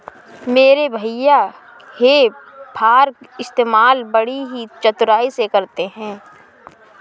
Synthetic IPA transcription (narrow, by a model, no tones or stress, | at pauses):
meːɾebʱəja | hepʰaːɾkɪst̪eːmaːlbɐɽiɦit͡ʃɐt̪ɾaːisekɐɾt̪eɦɛ̃ː